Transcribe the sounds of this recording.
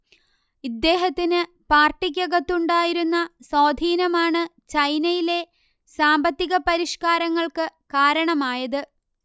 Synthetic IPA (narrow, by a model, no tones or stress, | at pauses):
id̪ːe̞ːɦɐt̪ːinɨ | paːrʈikʲːɐɣɐt̪ːuɳɖaːjiɾunːɐsaːd̪ʱiːnɐmaːɳɨt͡ɕɐjnɐjile̞ | saːmbɐt̪ːiɣɐpɐɾiʂkaːɾɐŋːɐɭkɨkaːɾɐɳɐmaːjɐðɨ